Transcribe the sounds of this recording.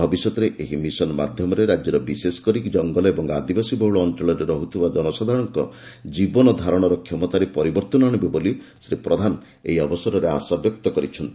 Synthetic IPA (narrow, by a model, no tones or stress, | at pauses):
bʱɔbisjɔt̪ɔɾeʔeɦimisɔnma̰d̪ʱjɔmɔɾeɾad͡ʒjɔɾɔbisesɔ̥kɔɾikd͡ʒɔŋɡɔlɔebɔŋad̪ibasibɔwɭɔːnt͡ʃɔɭɔɾeɾɔɦut̪ʰibad͡ʒɔnɔsad̪ʱaɾɔ̃ɔŋkɔ̰d͡ʒibɔnɔd̪ʱaɾɔɽ̃ɔɾɔkʰjɔmɔt̪aɾepɔɾibɔɾt̪ɔnaɽ̃ibebolisɾipɾɔd̪ʱan | ḛɦiɔbɔsɔɾɔɾea̰sabjɔk̚t̪ɔkɔɾit͡ʃʰɔnt̪i